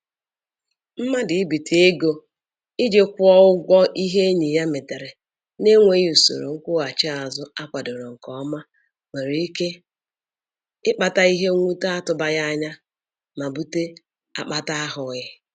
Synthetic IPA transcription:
m̩˦ma˦dɪ˨i˦bi˨tʰi˨e˦ɡo˦ | ɪ˦d͡ʒe˦kʷɔ˦ʊ˦ɡʷɔ˦ʔi˦ɦe˦ɲi˨ja˦me˨te˨ɾe˨ | ne˦ŋʷe˦ju˨so̰˨ɾo̰˨ŋ̩˦kʷʊ˦a˨t͡ʃɪ˦a˨zʊ˦a˦kʷa˨do˨ɾo˨ŋ̩˨kɔ˦ma˦ | we˨ɾe˨i˦ke˦ | ɪ˦k͡pa˨ta˦i˦ɦe˦ŋʷu˦ta˦a˦tʊ˨˦ba˦ja˦ɲa˦ | ma˨bu˦te˦ | a̰˦k͡pa˦ta˦a˦ɦʊ˨˦ɪ˦

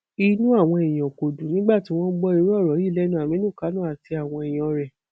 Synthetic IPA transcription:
i˧nũ˦a˦˨w̃ɔ̃˧e˨j̃ã˨ko˨dũ˨nĩ˦ɡ͡ba˦˨ti˨˦w̃ɔ̃˦ɡ͡bɔ˦i˧ɾɔ˦˨ɾɔ˨˦ji˦˨lɛ˨˦nũ˧˨a˨mĩ˨˦nũ˦˨ka˨˦nũ˦a˨ti˧a˨w̃ɔ̃˧e˨j̃ɔ̃˨˧ɾɛ˨

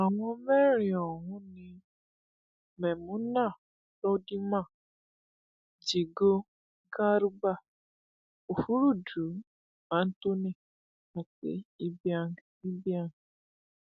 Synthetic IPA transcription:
a˨ŋʷu˦me˦ɾi˨ɔ˨ɦʊ̃˦ni˦ | mɛ˨mũ˨˦na˦˨ | tɔ˦di˦mã˦˨ | d͡ʒi˨ɡo˦ | ɡa˦ɾu˦ba˦˨ | o˨fu˦ɾu˦˨du˨ | ma˨˦n̩˦to˦ne˦˨ | a˨tḛ˨i˦ba˦˨i˦bja˦ŋ˨

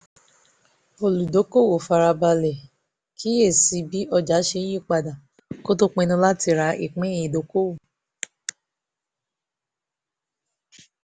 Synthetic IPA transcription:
o˨lu˨do˨˦ko˦˨wo˨fa˧ɾa˧ba˧lɛ˨ | kʰi˦je˦˨si˧˦bi˦ʔɔ˧d͡ʒa˨˦ʃẽ˧˦ĩ˦˨k͡pa˧da˨ | ko˦to˦k͡pɛ˧nũ˧la˦ti˧ɾa˧ʔḭ˨k͡pɛ̃˨˦jĩ˨do˨˦ko˦wo˦˨

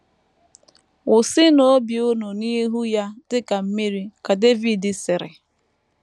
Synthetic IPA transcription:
ʊ˨sɪ˦no˨˦bjʊ˦no˨ni˦ɦu˦ja˦tɪ˦ka˨m̩˦mi˦ɾi˦ka˨de˦vi˨dɪ˨sɪ˨ɾɪ̰˨

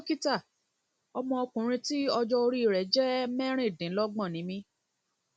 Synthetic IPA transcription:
o˦ki˦ta˦˨ | ɔ˧mɔ̃˧ɔ˧kũ˨˦ɾ̃ĩ˧ti˦ɔ˧d͡ʒɔ˧o˧ɾi˦i˧˨ɾɛ˨˦d͡ʒɛ˦mɛ˦ɾ̃ĩ˦˨dĩ˨˦lɔ˦ɡ͡bɔ̃˦˨nĩ˨˦mĩ˧

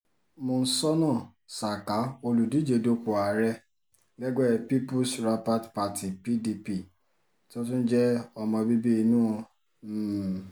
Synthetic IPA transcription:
mõ˧n̩˦sɔ˦nãː˦˨ | sa˨ka˨˦o˧lu˨di˨˦d͡ʒe˧do˦k͡pu˨a˨˦ɾɛ˦ | ɡɛ˦ɡɛ˦˨pi˦pu˦sɾa˧pa˦tpa˧ti˨pi˦di˧pi˦˨ | to˦t̬ũ˦n̩˦d͡ʒɛ˦ɔ˧mɔ̃˧bi˦bi˦i˧˦nũ˦ɔ̃˧˦˨

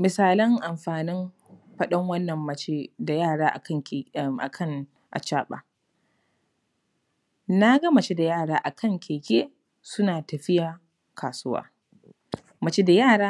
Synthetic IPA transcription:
mɪ˨saː˨lɐ˦ŋʔa˨mɸaː˨nɪ˦m | ɸɐ˦ɗɐ˦ŋwɐ˦nːɐ˨mːɐ˨t͡ʃe˦da˨jaː˦˨ɽaː˦ʔa˨kɐ˦ŋ˨ʔa̰˨kʰɐ˦ŋ | ʔa̰˨t͡ʃaː˦ɓa̰ː˨ | na˦ɡɐ˦mɐ˨t͡ʃe˦da˨jaː˦˨ɽaː˦ʔa˨kʰɐ˦˨ŋkʲʰeː˨kʲeː˦ | sʊ˦naː˨tɐ˨ɸɪ˦jaː˨ | kʰaː˨sʊ˦wa̰ː˦ | mɐ˨t͡ʃe˦da˨jaː˦˨ɽaː˦

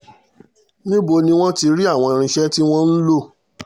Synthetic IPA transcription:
nĩ˦bo˧nĩ˧w̃ɔ̃˦ti˧ɾi˦a˦˨w̃ɔ̃˧ɾ̃ĩ˧ʃɛ˦ti˦w̃ɔ̃˦n̩˦lo˦˨

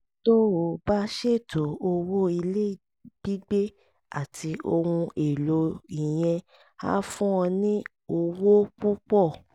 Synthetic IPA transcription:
to˦o˨ba˦ʃe˦˨tʰo˨o˧wo˦i˧le˦˨ | b̥i˦ɡ͡be˦ | a̰˦˨tʰi˧ʔo˧hũ˧ʔe˨lo˧i˨j̃ɛ̃˧ | a̰˦fũ˦ɔ̃˧nĩ˦ | o˧wo˦k͡pu˦k͡pɔ˦˨

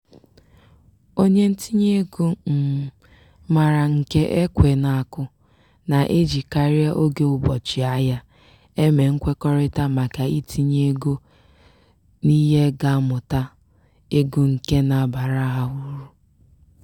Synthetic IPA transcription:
o˦ɲe˦n̩˦ti˦ɲ˦e˦ɡu˦m̩˨ | ma˨ɾa˨ŋ̩˨ke˦ʔe˦kʷe˨na˨a˨kʊ˦ | na˨ʔe˦d͡ʒi˨ka˦ɾja˦ʔo˦ɡe˦ʊ˨bɔ˨t͡ʃɪ˨a˦ja˦ | e˦me˨ŋ̩˦kʷe˦kɔ˦ɾɪ˦ta˦ma˨ka˨i˦tʰi˦ɲee˦ɡo˦ | ni˦ɦe˦ɡa˦mʊ˨ta˦ | e˦ɡu˦ŋ̩˨ke˦na˨ba˨ɾa˦ɦa˨ɦu˦ɾu˦

